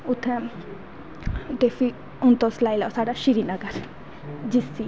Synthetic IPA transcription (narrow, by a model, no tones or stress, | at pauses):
ʊt̪ʰːɛ̃ | d̪eːfi | ʊnt̪õslaːilasaːɖaːʃiɾiːnəɡəɾ | d͡ʒisi